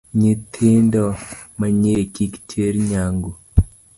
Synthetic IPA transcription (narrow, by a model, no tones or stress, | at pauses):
ɲit̪ʰindomaɲiɾekiki̥tʰeɾiɲaŋɡu